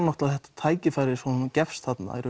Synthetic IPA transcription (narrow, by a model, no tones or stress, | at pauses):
nɔht̪laðhɛht̪ḁt̪ʰaːjcɪfaːjɾɪɾsvɔncɛfst̪hat̪na̰ɛ̰ɾʏ